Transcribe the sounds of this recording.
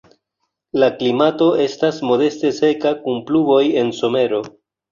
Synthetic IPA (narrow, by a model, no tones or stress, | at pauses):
laklimato̞ʔe̞stasmo̞de̞ste̞se̞kakunplubo̞je̞nso̞me̞ɾo̞